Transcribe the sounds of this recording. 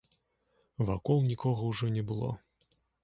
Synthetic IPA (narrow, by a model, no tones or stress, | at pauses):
vakɔlˠnʲikɔɣɐwʐɔnʲɛbɨlˠɔ̰